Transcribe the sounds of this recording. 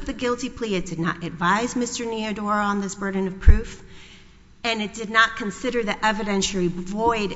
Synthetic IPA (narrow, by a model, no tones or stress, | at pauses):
ðɨɡɪlˠtipʰl̥iɨt̚d̥ɨdⁿnə̰ɾʔɨdvaɪzmɪstə˞niɨdɔɹə̃nðɪsb̥ɜ˞dⁿn̩ʌv̥pʰɹ̥ʉf | ɨ̃nɨt̚d̥ɨdⁿnət̚kʰɨ̃n̩sɪɾə˞ðiʔɛvɨɾɛ̃nʃl̩ˠivɔɪd